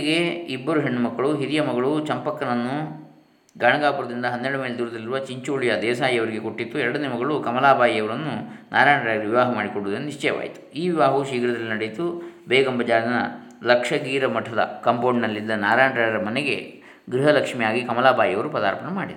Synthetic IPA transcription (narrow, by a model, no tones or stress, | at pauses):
ɡe̞ibːɐɾuɦeɳːumɐkːɐɭuɦiɾijɐmɐɡɐɭut͡ʃɐmpɐkːɐnɐnːu | ɡaːɳɐɡaːpuɾɐd̪ind̪ɐɦɐnːeɽumeːled̪uɾɐd̪ɐliɾuʋɐt͡ʃiɲt͡ʃuːɭijɐd̪ɛːsaːjɐʋɐɾiɡe̞koʈːit̪ːuɛɾɐɽɐnːemɐɡɐɭukɐmɐlaːbʱaːjijɐʋɐɾɐnːunʔaːɾaːɳɖɾaːɡɐɾɐʋiʋaːɦɐmaːɽikoɳɽud̪ɐnːuniʂt͡ʃɛːʋa̰ːjit̪u̥iːʋiʋaːɦɐʋuʃiːɡɐɾɐd̪ɐlːinɐɽet̪ːubɛːɡɐmbɐd͡ʒaːɾɐnɐ̰ | lɐkʂɐɡiːɾɐmɐʈʰɐd̪ɐ̰kɐmpoːɳnɐlːid̪ːɐnaːɾaːɳʈɾaːɐɾɐmɐneɡe̞̰ | ɡɾiɦɐlɐkʂmijaːɡikɐmɐlaːbʱaːjɐʋɐɾupɐd̪a̰ːɾpɐɳɐmaːɽid̪ɐɾ